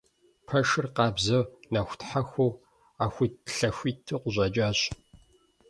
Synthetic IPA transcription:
pʰɐʃɨrqɑːbzɐwnɐxʷtħaxʷow | aːxʷitɬɐxʷiːtʰːɨqʷʊʑʼɐt͡ʃʼaːɕ

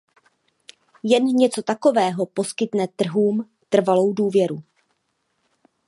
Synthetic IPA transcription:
jɛnɲɛt͡so̞t̪ako̞vɛːɦo̞po̞skɪt̪nɛt̪r̩ɦuːm | t̪r̩valo̞wduːvjɛɾu

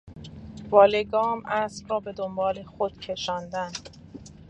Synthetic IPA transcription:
vɒːleɡɒːmʔæsbrɒːbe̞d̪ombɒːle̞xod̪̥cʰe̞ʃɒːnd̪æn

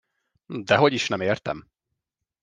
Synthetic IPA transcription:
d̪ɛɦo̞ɟiʃnɛmeːrt̪ɛ̰m

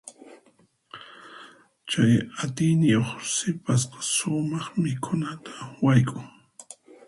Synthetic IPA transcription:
t͡ʃajat̪ɪjnɪjoχsɪpasqɑ̥sʊmɑχmɪkʰʊnat̪ʰḁwajkʼʊŋ

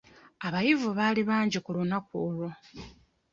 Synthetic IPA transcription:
aβajivuβaliβaːɲɟikulunakuːlo

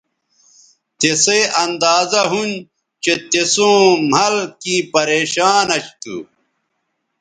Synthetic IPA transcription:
t̪eseɐnd̪aːzɐɦun | t͡ɕet̪esõːmɐlkiːpɐɾeːɕaːnɐt͡ɕt̪ṵ

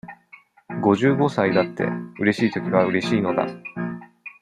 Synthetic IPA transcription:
ɡo̞ʑɨːɡo̞said̪at̪ːe̞̰ɯ̟ɾe̞ɕiːt̪o̞kʲiɡaɯ̟ɾe̞ɕiːno̞d̪a̰

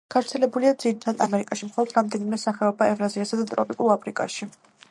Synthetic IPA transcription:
ɡ̥avɾt̪sʰɛlɛbuliad̪ziɾit̪ʰad̪amɛɾikʼaʃimχɔlˠɔd̪ɾamd̪ɛnimɛsaχɛɔbaɛvɾaziasad̪at̪ʼɾɔpʼikʼuɾˠapʰɾikʼa̰ʃi

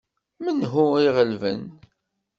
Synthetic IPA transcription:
mənɦuiʁəlvə̰n

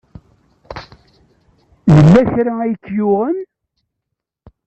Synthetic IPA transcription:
jəlːæçɾææjəkːjʊʁən

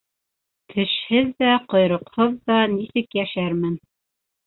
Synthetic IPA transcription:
kʰɘ̆ʃhɘðːæqŏjɾɤ̆qhoðːɑnisɘkjæʃæɾmɘn

